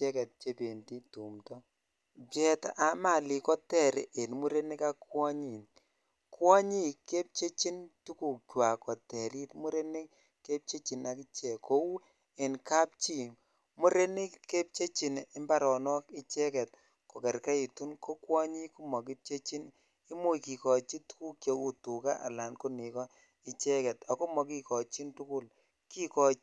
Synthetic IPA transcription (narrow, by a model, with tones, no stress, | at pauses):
ɛ˦kɛ˨t̚t͡ʃe˦pe˨nti˦tu˨mtɔ˦ | bjɛ˦ta˨ʔa˨˦ma˦˨li˨kɔ˦tɛ˨ɾi˨ʔe˨nmu˦ɾe˦nɪ˦ka˦kwɔ˦ɲi˨n | kwɔ˦ɲi˦ke˦p̚t͡ʃe˦t͡ʃi˦ntu˦ku˨k̚t͡ʃwa˨kɔ˨tɛ˨ɾi˦tmu˦ɾe˦ni˦ | ke˦p̚t͡ʃe˦t͡ʃi˨na˨kɪ˦t͡ʃɛ˨kʰo˨˦u˦ | e˨nka˦p̚t͡ʃi˦ | mu˦ɾe˦ni˦kːe˦p̚t͡ʃe˦t͡ʃi˨nɪ˦mba˦ɾɔ˨nɔ˦ki˦t͡ʃɛ˦kɛ˨t̚ | ko˨kɛ˨ɾka˦i˨tu˦nko˦kwɔ˦ɲi˦ku˦mɔ˨k̬i˦p̚t͡ʃe˦t͡ʃi˦n | i˦mu˦ki˨kɔ˨t͡ʃi˦tu̥˦ku˦k̚t͡ʃo˨u˦tu˨ka˦ʔa̰˨la˨nko˦ni˨kɔ˦ | ɪ˦t͡ʃɛ˦kɛ˨ta˨ko˦mɔ˨ki˦kɔ˨t͡ʃi˦ntu˦ku˦l | ki˦kɔ˨